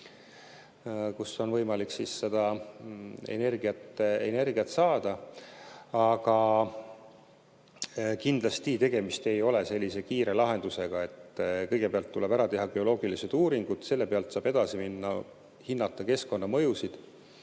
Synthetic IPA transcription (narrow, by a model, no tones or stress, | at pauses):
kuso̞nvɤ̞jmɑliksisːe̞d̪̥ɑ | e̞̰ne̞rɡ̥iɑt̪ḛne̞rɡiɑt̪sɑːd̪̥ɑ | ɑɡ̥ɑ | kind̪lɑst̪it̪e̞ɡ̥e̞mist̪e̞jo̞le̞se̞lʲːise̞kiːɾe̞lɑɦe̞nd̪̥use̞ɡ̥ɑe̞t̪ːkɤjɡ̥e̞peɑlt̪ːule̞bæɾɑt̪e̞ɦɑɡe̞o̞lo̞ːɡ̥ilise̞d̪̥uːɾiŋɡ̥ud̪̥se̞lːe̞peɑlt̪sɑːb̥e̞d̪̥ɑsiminːɑ̰ | hinːɑt̪ːˑɑke̞sko̞nːɑmɤ̞jusid̪̥